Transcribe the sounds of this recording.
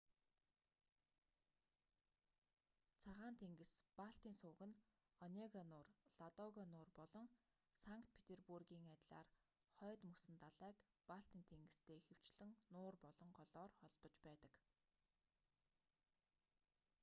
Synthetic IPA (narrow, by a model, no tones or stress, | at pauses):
t͡sʰaʁaːnt̪ʰeŋɡɘ̆spaɬt̪iːnsʊːɣɘ̆n | ɔnʲeɣanʊːrɮat̪ɔɣɔnʊːrpɔɮɞ̆ŋ | saŋkt̪̚pʰe̥t̪ʰerpurɣiːŋat̪ʲɮa̰ːr | χɔːt̪musɘ̆nt̪aɮæːk | paɬt̪iːnt̪ʰeŋɡɘ̆st̪ʰeːxew̥t͡ɕɮɘ̆ŋnʊːrpɔɮɞ̆ɴɢɔɮɔːrχɔɮpɞ̆t͡ɕpæːt̪ə̥̆k